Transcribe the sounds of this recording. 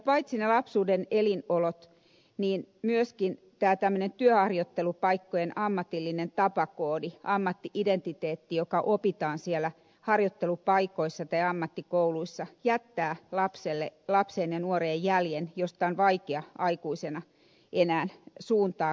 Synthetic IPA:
pɑit̪sinelɑpsuːdenelinolot̪ | niːnmyøskin | t̪æːt̪æmːø̆nent̪yøhɑrjot̪ːelupɑikːojenɑmːɑt̪ilːinent̪ɑpɑkoːdiʔɑmːɑt̪ːiʔident̪it̪eːt̪ːijokɑʔopit̪ɑːnsielːæ | hɑrjot̪ːelupɑikoisːɑt̪ɑiɑmːɑt̪ːikouluisːɑjæt̪ːæːlɑpselːḛlɑpseːnjɑnuoreːjjæljenjost̪ɑonʋɑikeɑʔɑikuisenɑ | ʔenæːnsuːnt̪ɑː

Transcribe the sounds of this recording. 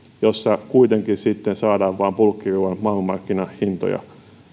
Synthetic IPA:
josːɑkuit̪eŋkinsit̪ːensɑːdɑːʋʋɑːmpulkːiruːʋɑnmɑːlmɑrkːinɑhhint̪o̰jɑ̰

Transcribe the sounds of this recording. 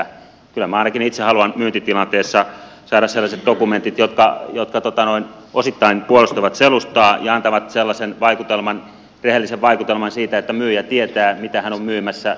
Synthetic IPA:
kylːæmæɑˑinɑkinit̪sehɑluɑnmyːnt̪it̪ilɑnt̪eːsːɑsɑːɾɑsselːɑset̪̚d̥̪okument̪it̪jot̪kɑjot̪kɑt̪ot̪ɑnoin | osit̪ːɑinpuolust̪uʋɑt̪selust̪ɑːjɑɑnt̪ɑʋɑt̪selːɑsenʋɑikut̪elmɑn | rehelːiseʋʋɑikut̪elmɑnsiːt̪æet̪ːæmyːjæt̪iet̪æːmit̪æhænommyːmæsːæ

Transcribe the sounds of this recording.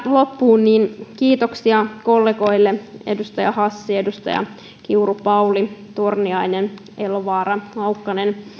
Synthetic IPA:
lopːuːnːiːnkiːt̪oksiɑkolːeɡo̞jlːeedust̪ɑjɑhɑsːie̞dust̪ɑ̰jɑ̰ | kiurupɑulit̪urniɑinen | eloʋɑːɾɑlɑwkːɑnen

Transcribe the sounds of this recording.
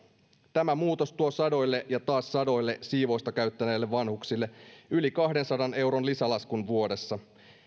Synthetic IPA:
t̪æmæmuːt̪o̞st̪uosɑdo̞jlːe̞ʔjɑt̪ɑːsːɑdo̞jlːe̞siːʋo̞jst̪ɑkæyt̪ːæne̞ːlːeʋʋɑnhuksilːeylikɑhde̞nsɑdɑne̞wɾo̞nlisɑlɑskunʋuo̞de̞sːɑ

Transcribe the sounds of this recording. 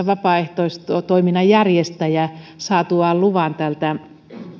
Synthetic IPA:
ʋɑpɑːˑeht̪oist̪ot̪oiminɑjærjest̪æjæsɑːt̪uɑlluʋɑnt̪ælt̪æ

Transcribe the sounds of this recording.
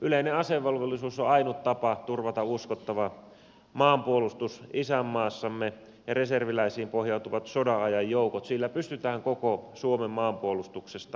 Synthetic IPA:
ʔyleineɑseʋːɑlʋelːisuːsoɑinut̪t̪ɑpɑt̪urʋɑt̪ɑuskot̪ːɑʋɑ | mɑːmpuolust̪usisæmːɑːsːɑmːe | jɑreserʋilæisiːmpohjɑˑut̪uʋɑt̪sodɑɑjɑjjoukot̪silːæpyst̪yt̪æːŋkokosuomemːɑːmpuolust̪uksest̪ɑ

